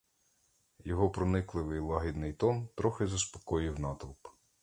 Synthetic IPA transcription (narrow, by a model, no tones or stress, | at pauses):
jɔɦɔpɾɔnɪklˠɪʋɪjlˠɑɦʲid̪nɪjt̪ɔmt̪ɾɔxɪzɐspɔ̥kɔjiwnɑt̪ɔlˠp